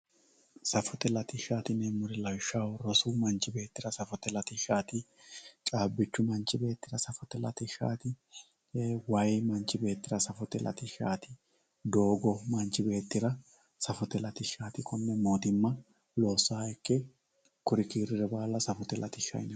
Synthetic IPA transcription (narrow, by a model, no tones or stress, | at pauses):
sɐfɔt̪ɛlɐt̪ɪʃaːt̪ɪnɛmʊɾɛlɐjʃawɾɔsʊmɐnt͡ʃːɪbe̞ːt̪ːɪɾɐsɐfɔt̪ɛlɐt̪ɪʃaːt̪ɪ | t͡ʃʼaːbːɪt͡ʃːʊmɐnt͡ʃːɪbe̞ːt̪ːɪɾɐsɐfɔt̪ɛlɐ̰t̪ɪʃa̰ːt̪ɪ | wɐjmɐnt͡ʃːɪbe̞ːt̪ːɪɾɐsɐfɔt̪ɛlʔɐ̰t̪ɪʃaːt̪ɪ | d̪o̞ːɡɔmɐnt͡ʃɪbe̞ːt̪ːɪɾɐ | sɐfɔt̪ɛlɐt̪ɪʃaːt̪ɪkʰʼɔnːɛmo̞ːt̪ɪmːɐ | lo̞ːsːaːjɛkːɛ | kʊɾɪkiːɾɪɾɛbaːlːɐsɐfɔt̪ɛlʔɐ̰t̪ɪʃɐ̰ɪnɛ